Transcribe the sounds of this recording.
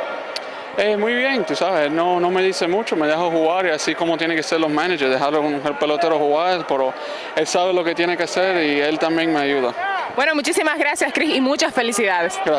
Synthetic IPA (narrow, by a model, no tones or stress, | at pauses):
emujβje̞ŋt̪usaβeselno̞no̞me̞ðisemut͡ʃo̞me̞ðexoxuɣaɾiasiko̞mot̪jeneŋkeseɾlo̞smanaʝeɾðeɦaɾlounoselpe̞lo̞t̪eɾohuɣaɾepeɾo̞ | e̞lsaβe̞lo̞ket̪jenekeaseɾie̞lt̪ambje̞ŋme̞ajuð̞abwe̞no̞mut͡ʃisimazɣɾasjaskɾisimut͡ʃasfe̞lisiðaðesɡɾa